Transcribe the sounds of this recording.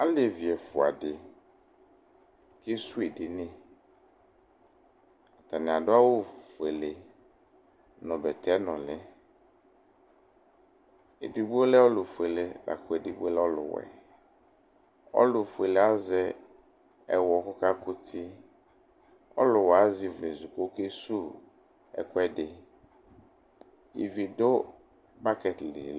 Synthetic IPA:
a˦lɪ˨vi˨ɛ˨fʊ˨a̰˨dɪ˨ | kɪ˦su˦e˨dɪ˨nɪ̃˦ | a˨t̪a˨nɪ̃˨a˨dʊ˦a˦wo˦˨fu˨e˨le˨ | nɔ̃˨bɛ˨t̪ʰɛ˨˦nɔ̃˨lɪ˦ | e˨dɪ˨bu˦o˦lɛ˦ɔ˦lʊ˨fe˨lɪ˨la̰˨kʊ˨ɛ˨di˨bu˦e˦lɔ˦lʊ̰˨wɛ̰˨ | ɔ̰˦lʊ˨fu˨e˨le˨a˦zɛ˦ | ɛ˨wɔ˨kʊ˦ka˦kʊ˦tʰɪ˦ | ɔ̰˦lʊ˨wa˨˦zi˨ve˨zu˨ko˦ke˦su˦ | ɛ̰˨kʊ˦ɛ˦dɪ˨ | ḭ˨vi˨do˦ | ba˦kɛ˨tlɪ̰˨

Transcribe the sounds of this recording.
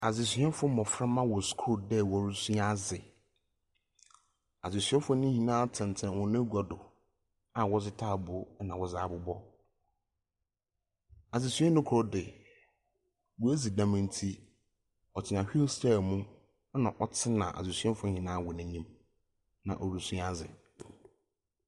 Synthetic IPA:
a˨zɪ˨s̬ɥɛ̃˦fʊ˦mɔ̃˨fɾã˦mã˦wɔ˨skʰo˦˨dɛ˦˨wɔ˨˦ɾʊ˦su˦a˦zɪ˨ | a˨zɪ˨sɥɛ˦fʊ˦nʊ̃˦hĩ˨nãː˦tʰɪ̃˨n˨tʰɛ̃˨n˨hʊ̃˨nʊ̃˦ɡɔ˨dʊ˨ | a˨wɔ˦zɪ˦tʰaː˦˨bʊ˨˦nã˨wɔ˨zaː˨˦˨bʊ˨bɔ˦ | a˨zɪ˨sɥɛ˦nʊ̃˦kʰʊ˨ɾɔ˦dɪ˨ | wʊ˨e˦d͡zi˨dã˨mɪ̃˨n˦tʰi˦ | ɔ˨tʰɪ˨nã˨ɕᶣi˦o˦sta˦˨mʊ̃˦ | nã˨ʔɔ˨tʰɪ˦nã̰˨ʔa̰˨zɪ˨sɥɛ˦fʊ̃˦hĩ˨nãː˦wɔ˨nã˨ɲĩ˦m | nã̰˨ʔɔ˨ɾu˦sũ˦a˦zɪ̰˨

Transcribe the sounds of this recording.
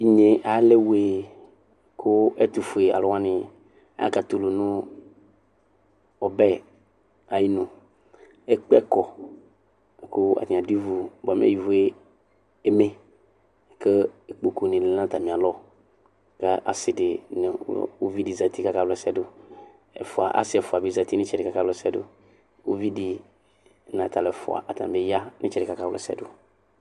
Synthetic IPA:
i˨ɲe˨ʔa˨˦lɛ˦we˨ | kʰʊ˦ɛ˦t̪u˨fu˨e˨a̰˨lʊ˦wã˦nɪ̃˨ | a̰˦a̰˦˨ka˨t̪ʊ˨lo˨nʊ̃˦ | ɔ˨bɛ˦ | a˨ji˦nʊ̃˨ | ɛ˦k͡pkɔ˨ | kʊ˦a̰˨tĩ˨ã˨di˦vu˨ba˨mḭ̃˦a̰˦˨i˨vu˨˦e˦ | e˦me˨ | kə˦e˨k͡po˨ko˨nĩ˨le˨˦ã˦t̪a˨mĩ˨a˨lɔ˦ | ka˦ʔa̰˨sɪ˨dɪ˨n̰˨˦wo̰˦vi˦di˨za˨t̪i˦ka˦ka˦wlɛ˨sɛ˦dʊ˦ | ɛ̰˨fʊ˨a̰˨ʔa̰˦sɪ˦ɛ˨fʊ˨a˨bi˦za˨t̪i˦nɪ̃˦t͡ʃɛ˨dɪ˨ka˨ka˦lsɛ˦dʊ̰˦ | o̰˦vi˦di˨ | nã˨t̪a˨lɛ˨fʊ̰˨a̰˨ʔa˨t̪a̰˨e˦ja˦nʔɪ̰̃˦t͡ʃɛ˨dɪ˨ka˦ka˦wlɛ̰˨sɛ̰˦dʊ˦

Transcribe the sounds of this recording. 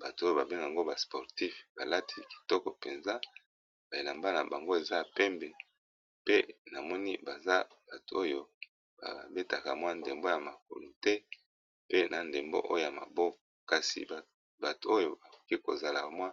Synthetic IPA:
ba˨to˨o˦jo˦˨ba˨be˦ŋɡŋɡo˦ba˨spɔ˨ʁti˦fba˨la˦tʰi˦ki̥˨tɔ˦kɔ˨pe˨nza˦ | b̥a˨e˨la˨mba˦na˨ba˨ŋɡo˦e˨za˦˨pɛ˦mbɛ˨ | pe˦na˨mɔ˦ni˦ba˨za˦b̥a˨tu˨o˦jo˦ | ba̰˨be˦ta˨ka̰˨mwa˦nde˨mbo˦ja˨ma˨k̚o̰˨lo˨tɛ˦ | pe˦na˨nde˨mbo̰˦ʔo̰˦jo˦ja˨ma̰˨bɔ˦kɔ˨ka˨sḭ˨b | ba˨tu˨o˦jo˨ba˨ko̥˨ki˦ko˨za˨la˨mwa˦

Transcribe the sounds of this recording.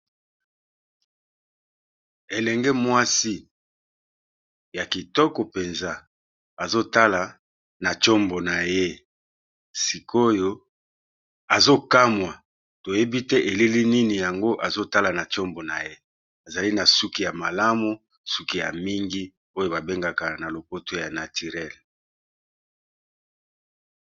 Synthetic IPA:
e˨lɛ˨ŋɡɛ˦mwa˦si˦ | ja˨ki˨tɔ˦kɔ˨pe˨nza˦ | a˨zo˦ta˦la˨ | na˨t͡ʃo˦mbo˨na˨je˦ | si˨ko˦jo˦ | a˨zo˦ka˦mwa˨ | to˨je˦bi˦tɛ˦ʔe˨li˦li˦ni˦ni˨ja˨ŋɡo˦ʔa˨zo˦ta˦la˨na˨t͡ʃo˦mbo˨na˨je˦ | a˨za˨li˦na˨su˦ki˦ja˨ma˨la˦mu˦ | su˦ki˦˨ja̰˨mi˦ŋɡi˦ | o˦jo˨ba˨be˦ŋɡa˨ka˨na˨lo˨po˦to˦ja˨na˨ti˨ʁɛ˦˨l

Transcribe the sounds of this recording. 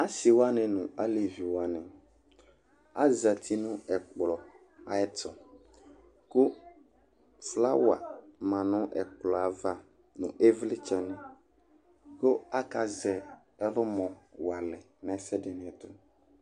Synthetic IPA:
a˦si˨wa˦nɛ̃˨nũ˨a˦le˨vi˨wa˨nɛ̃˨ | a˦za˨t̪ʰi˦nũ˦ɛ˨k͡plɔ˨ | a˨ɛ˦t̪ɔ˨ | ko˦ | fla˦wa̰˨mã˨nʊ̃˦ʔɛ̰˨k͡plɔ˨a˨va˦ | nṵ̃˨ʔe˦vli˦t͡ʃɛ˦nɛ̃˨ | ko˦a˦ka˦zɛ˨ | ɛ˦ɾʊ˦mɔ̃˨wa˨lɛ˨ | nã˨˦sɛ˦dɛ˨nĩ˨ɛ˨t̪ʊ˦

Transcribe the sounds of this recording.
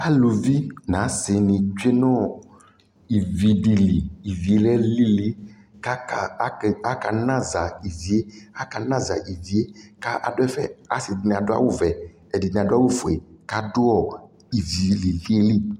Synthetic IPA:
pa˦lo˨vi˦nã˨˦sɪ˨nĩ˨t͡ʃe˦nɔ̃˦ | i˨vi˨ɖi˨li˨i˨vi˨e˦lɛ˦li˦li˦ | ka˦a˨˦˨a˦ka˨nã˦za˨i˨vi˨e˦a˦ka˨nã˦za˨ʔi˨vi˨e˦ka˦ʔa̰˨dʊ˦ɛ˦fɛ̰˨a̰˨sɪ˨di˨nĩ˨a˨dʊ˦a̰˦wo˦vɛ˨ | ɛ˨di˨nĩ˨a˨dʊ˦a˦wo˦fo˨e˨ka˦dʊ˦ɔ˨ | i˨vi˨li˨li˦e˦li˦

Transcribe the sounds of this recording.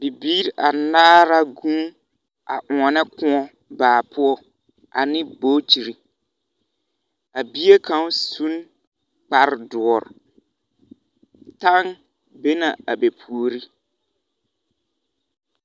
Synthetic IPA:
bi˨biː˦ɾa˨naː˦ɾa˦ɡũ˦ | a˨ʔʊ˨ɔ˨nɛ˦kʊ̃˦ɔ˦ | baː˨pʰʊ˦ɔ˦ | ʔa̰˨nɪ̃˦boː˦t͡ʃi˨ɾi˨ | a˨bi˦e˦ka˦n˦su˦n | k͡pa˦ɾdʊ˨ɔ˨ɾ̰ | ta˦ŋ | be˦na˨a˨be˨pʰu˨o˨ɾi˦

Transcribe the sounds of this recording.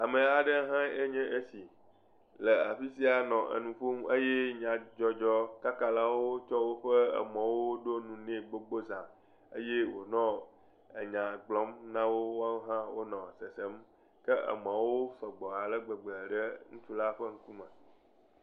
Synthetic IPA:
a˨mẽ˨a˨ɖə˦ɦã˦e˦ɲɛ̃˦ʔe˦si˨ | lə˨a˨ɸi˦si˦a˨nɔ̃˨ʔə̰˨nũ˨ɸo˦mə˦jɛ˦ɲã˨d͡ʒɔ˦d͡ʒɔ˦ka˦ka˨la˦wo˦t͡ʃɔ˦wo˦ɸə˦ə̰˨mã˨wo˦ɖo˦nũ˨nɛ̃˦˨ɡ͡bo˦ɡ͡bo˦zã˨ | ḛ˦je˦wo˨nɔ̃˦ | ə̰˨ɲã˨ɡ͡blɔ̃˨˦mnã˦wo˦wo˦a˦ɦã˦wo˦nɔ̃˨sɛ˨sɛ˦m | kə˦ʔə̰˨mã˨wo˦sɛ˨ɡ͡bɔ˨a˨lə˦ɡ͡bə˨ɡ͡blə˨ɖə˦ŋũ˦t͡ʃu˦la˦ɸə˦ŋ̩˦ku˦mɛ̃˨

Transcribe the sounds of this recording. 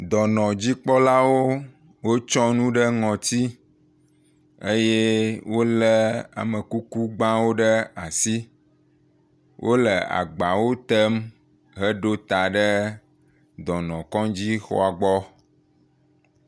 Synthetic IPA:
d̪ɔ˨nɔ̃˨d͡ʑi˦k͡pɔ˦la˦wo˦ | wo˦t͡ʃɔ̃˦nũ˦ɖə˦ŋɔ̃˨t̪i˦ | e˦je˦wo˦lə˦a̰˨mə˨ku˦ku˦ɡ͡bã˦wo˦ɖə˦a˨si˦ | wʔo˦lə˨a̰˨ɡ͡ba˨wo˦t̪ə˦m | ɦə˦ɖo˦t̪a˨ɖə˦ | d̪ɔ˨nɔ̃˨kɔ̃˦d͡ʑi˦xɔ̰˦a˨ɡ͡bɔ˦

